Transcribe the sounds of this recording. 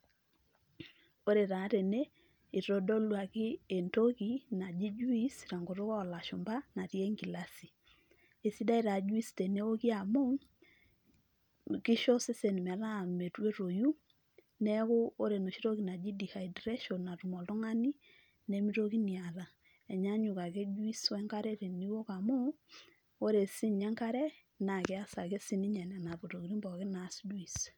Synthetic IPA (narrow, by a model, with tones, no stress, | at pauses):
o˦ɾe˨ɾa˨˦ɾe˨ne | i˨ɾɔ˨dɔ˦lwa˨ɣɪː˦˨ntoɣi˦na˨d͡ʒi˦d͡ʒu˦i˦sɾa˨ŋɡo˨ɾo˦ɣɔ˦˨la˨ʃo˨mba˦na˨ɾjɛ˦ŋɡi˨lasi˨ | e˨si˦da˦i˦ɾa˨d͡ʒu˦i˦ste˨ne˦o˦ɣi˦a˨mo˦ŋ | ki˦ʃɔ˦se˦se˨ni˨mɛ˨ɾa˦me˨twe˦ɾo˨ju˦ | nɛ˦ɣo˦o˦ɾe˨no˨ʃi˦ɾo˦ki˨na˨d͡ʒi˦di˨ha˨i˨dɾe˦ʃo˨nːa˨tu˨mɔ˨lo˦ŋa˦ni˦ | ne˦mi˦ɾoki˦ni˨a˨la˨ | ɛ˨ɲa˦ɲu˨ka˨ɣe˦d͡ʒwi˦swɛ˦ŋka˦ɾe˦ɾe˨ni˦wo˦ka˨mo˦ | o˦ɾe˨si˦ɲɛ˦ŋka˦ɾɛ˦ | na˨ke˨˦a˦sa˨ke˦si˦ni˦ɲɛ˨na˨na˨βo˨to˨ɣi˨ɾi˦mbɔ˨ɣe˦na˨si˦dwi˨s